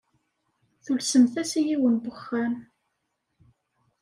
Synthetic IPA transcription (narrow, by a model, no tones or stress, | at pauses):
θulsənθæsijiwənbəχːæn